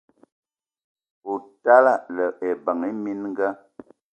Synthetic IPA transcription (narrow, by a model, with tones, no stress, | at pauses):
o˨ta˦la˦˨lə˨e˨ba˨ŋe˦mi˦nŋ˦ɡa˦